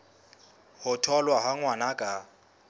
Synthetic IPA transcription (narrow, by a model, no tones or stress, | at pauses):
hʊtʰɔlwaɦaŋwanakʼa